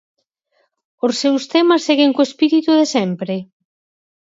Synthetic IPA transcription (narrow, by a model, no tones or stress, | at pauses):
osːewst̪ɛmasːeɣeŋkoespiɾit̪uðesɛmpɾe